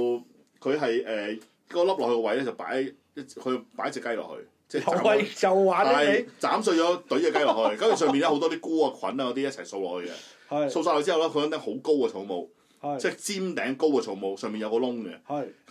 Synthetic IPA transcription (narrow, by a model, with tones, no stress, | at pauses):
kʰɵ˨˧ɥɦɐ˨jʔɛː˨˩ | kɔː˧lɐ˥p̚lɔ˨kːhɵ˧kɔ˧wɐ˨˧jlɛː˥t͡sɐ˨˩wpa̰ː˨˥j | jɐ˥kʰɵ˨˧jpaː˨˥jɐ˥t͡sɛ˨˩kːɐ˥jlɔ̰˨˩khɵ̰˧ɥ | t͡sɛː˥˩˨aː˨˦˨ɐ˨waː˨˥˨jt͡saː˨˥msɵ˧ɥt͡ʃɔː˨˥t̪ɵ˨˥jkɛ˧˨˧kjlɔ˨khɵ˧kɐ˨˥mjy˨˩sœː˨˩mpi˨nɛː˥ho˧˥t̪ɔː˥t̪iː˥kuː˥˩aː˧kʰwɐ̰˨˥naː˧kɔ˨˧t̪iː˥jɐ˥t̚t͡sʰɐ˨˩jso˧wlɔ̰ː˨khɵ˧ɥkɛ̰˧ | jso˧ws̬aː˧hɔ˧˩t͡siː˥˨wlɛː˥kʰɥlɐ˨˥ŋt̪ɐ˨˥ho˨˥wko˥wkɐ˧t͡sʰo˨˧wmo˨w | t͡sɛː˥t͡siː˥mt̪ɛː˨˥ŋko˥wkɛ˧t͡sʰo˨˩ŋmo˨˧wsœː˨ŋmpiː˨njɐ˧kɔː˧lʊ˥ŋɡɛ̰˧˨k